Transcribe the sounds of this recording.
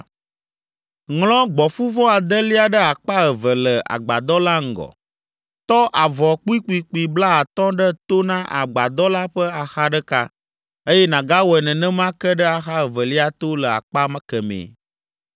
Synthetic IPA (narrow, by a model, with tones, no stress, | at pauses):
ŋlɔ̃˦ɡ͡bɔ˨fu˦vɔ˦a˨d̪ə˦li˦a˨ɖə˦a˨k͡pa˦ə˨və˨lə˨ʔa̰˨ɡ͡ba̰˨d̪ɔ˦la˦ŋ̩˨ɡɔ̰˨ | t̪ɔ˦ʔa˨vɔ˨k͡pu˦i˦k͡pu˦i˨k͡pu˨i˨bla˦a˨t̪ɔ̃˦ɖə˦t̪o˦nã˦ʔa̰˨ɡ͡ba˨d̪ɔ˦la˦ɸə˦a˨xa˦ɖə˦ka˦ | e˦jɛ˦nã˨ɡa˦wɔ˨ɛ˨nɛ̃˨nɛ̃˦mã˦kə˦ɖə˦a˨xa˦ə˨və˨li˦a˦t̪o˦lə˨a̰˨k͡pa˦mã˦kə˨mḛ̃˨